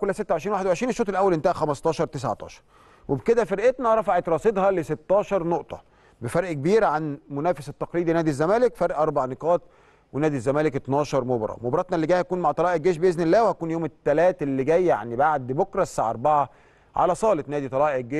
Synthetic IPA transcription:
kolːæset̪ːæwʕeʃɾiːnwaħed̪wʕeʃɾiːnʃoːt̪ˤelʔæwːælʔent̪æhæxæmɑst̪ˤɑːʃɑɾˤt̪es̬aʕt̪ˤɑ̰ːʃɑ̥ɾˤ | webked̪æfeɾʔet̪næɾˤɑfaʕet̪ɾˤɑːsˤed̪ˤhɑleset̪ːɑːʃɑɾˤnoʔt̪ˤɑ̰ | befɑɾˤʔkebiːɾʕanmonæːfeset̪ːɑqliːd̪inæːd̪izːæmæːlekfæɾʔɑɾˤbaʕneqɑːt̪̚ | wenæːd̪izːæmæːleket̪nɑːʃɑɾˤmobɑɾˤɑ̰mobɾˤɑt̪nɑlːeɡæːhækuːnmaʕt̪ˤɑlɑːʔeɡːeːʃbeʔeznelːæːwehækuːnjoːmet̪ːælæːt̪lːeɡæːjːa̰ʕnibaʕd̪bokɾˤɑsaʕʔɑɾˤbaʕa | ʕa̰læsˤɑːlet̪næːd̪it̪ˤɑlɑːʔeɡeː

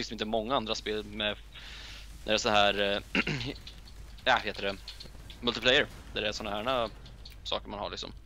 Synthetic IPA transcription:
ɪnsd̪mɪnt̪əmɔŋːaand̪ɾaspeːlmɛ | d̪æɾɛsɔnɦæːɾ | jɑheːt̪əɾɛ | mɵlt̪ɪpʰlɛjːəɾ | d̪æɾɛsɔnːaɦæːɳa | sɑ̰ːkəɾmanha̰ɭɪksɔ̰m

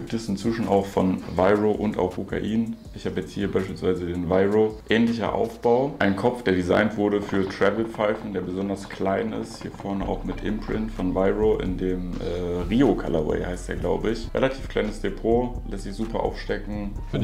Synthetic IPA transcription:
ɡ̥iːp̚tɛsɪnt͡sv̥ɪʃn̩ʔa̰ʊxfɔnvaɪʁoʔʊnta̰ʊxkʰukʰa̰ʔiːnʔɪçhaːbəjɛt͡sthiːɐbaɪʃpiːlsv̥aɪzədeːnvaɪʁoʔɛːnlɪçɐ̰ʔa̰ʊfb̥aʊʔaɪnkʰɔp͡fd̥eːɐdiza̰ɪntv̥ʊɐɾəfyːɐtʁ̥ɛvl̩faɪfn̩deːɐbəzɔndɐskʰl̥aɪnɪ̰sthiːɐfɔɐnəʔa̰ʊxmɪtʰʔɪ̰mpʁ̥ɪntfɔnvaɪʁoʔɪ̰ndeːmʔɛːʁiːokʰa̰lawɛ̰ɪhaɪsteːɐɡlaʊbəɪçʁḛlatʰi̥ːfkʰl̥a̰ɪnəsd̥epʰoːlɛstz̥ɪçz̥uːpɐʔa̰ʊfʃtɛkŋ̩

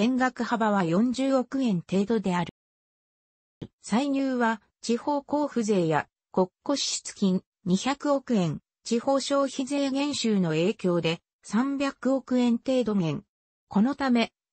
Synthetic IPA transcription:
ẽ̞ŋɡakɯ̟habaβajõ̞ɲ̟d͡ʑɨːo̞kɯ̟ẽ̞nt̪e̞ːd̪o̞d̪e̞aɾɯ̟ | saiɲɨːβa | t͡ɕiho̞ːko̞ːɸɯ̟ze̞ːja̰ | ko̞kːo̞ɕi̥t͡sɨ̥kʲĩɲ | ɲiçakɯ̟o̞kɯ̟ẽ̞n | t͡ɕiho̞ːɕo̞ːçize̞ːŋẽ̞ɰ̃ɕɨːno̞e̞ːkʲo̞ːd̪e̞ | sãmbʲjakɯ̟o̞kɯ̟ẽ̞nt̪e̞ːd̪o̞ŋẽ̞ŋ | ko̞no̞t̪ame̞

